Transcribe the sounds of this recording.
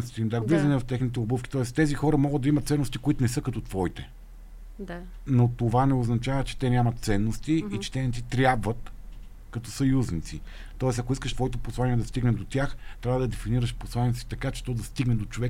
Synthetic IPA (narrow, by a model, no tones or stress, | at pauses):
st̪imd̪aɡvizɐnɛvɐft̪ɛxnit̪̬ɛubufkʲi̥t̪ɔɛst̪ɛzixɔɾɐmɔɡəd̪̚d̪ɐimɐt̪t̪sɛnːost̪ikoit̪onɛsɤkɐt̪ɔt̪vɔit̪ɛ | not̪ovanɛoznɐt͡ʃavɐt͡ʃɛ̥t̪ɛnʲjamɐt̪t̪sɛnːost̪iːt͡ʃɛ̥t̪ɛnɛt̪sit̪ɾʲjabvət̪ | kɐt̪ɔsɐjuznit̪si | t̪ɔɛsɐkoiskəʃt̪vɔit̪ɛposlˠanijɛd̪ɐst̪iɡnɛd̪ot̪ʲjaxt̪ɾʲavəd̪ɐd̪ɛfiniɾəʃposlˠaniɛsi̥t̪ɐkat͡ʃɛ̥t̪ɔd̪ɐst̪iɡnɛd̪ot͡ʃovɛk